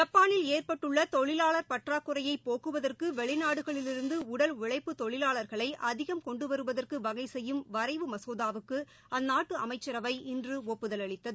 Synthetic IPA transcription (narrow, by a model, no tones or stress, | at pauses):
d͡ʒɐpːaːnɪleːrpɐʈːɯɭːɐt̪ɔɭɪlaːɭɐɾpɐʈraːkːʊɾɐjɐɪpːoːɣɯʋɐðɐrkɯʋɛɭɪnaːɽɯɣɐɭɪlɪɾɯnd̪ɯʊɽɐlʋɪɭɐɪpːɯt̪ɔɭɪlaːɭɐɾɣɐɭɐɪʔɐðɪɣɐmkɔɳɖɯʋɐɾɯʋɐðɐrkɯʋɐɣɐɪsɛjːɯmʋɐɾɐɪʋɯmɐsoːðaːʋɯkːɯ | ʔɐnːaːʈːɯɐmɐɪt͡ʃːɐɾɐʋɐɪʔɪndrɯɔpːɯðɐlɐɭɪt̪ːɐðɯ